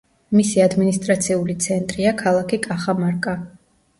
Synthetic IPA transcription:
misiad̪minist̪ʼɾat̪sʰiulit̪sʰɛnt̪ʼɾiakʰalˠakʰikʼaχamaɾkʼa

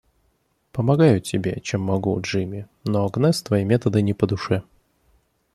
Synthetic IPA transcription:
pəmɐɡajʊtʲɪbʲe̞̰t͡ɕemːɐɡuʐɨmʲɪ | noɐɡnɛst̪vɐjimʲet̪əd̪ɨnʲɪpəd̪ʊʂɛ

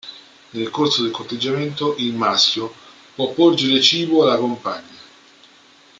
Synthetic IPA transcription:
nelkorsod̪elkort̪ːed͡ʒːament̪oʔilmask̟ʲjo | pwɔpːord͡ʒeɾet͡ʃiːboalakompaɲːa

